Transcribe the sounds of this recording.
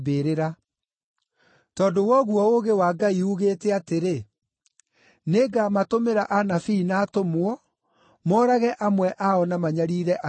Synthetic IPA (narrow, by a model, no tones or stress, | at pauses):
beːɾeɾa | tɔːdowɔɣwɔoɣewaːɡaiuɣeːtɛateɾe | neɡamatomeɾaʔanafiːnaːtomwɔ | mɔːɾaɣɛʔamwɛʔaɔnamaɲaɾiːɾɛʔa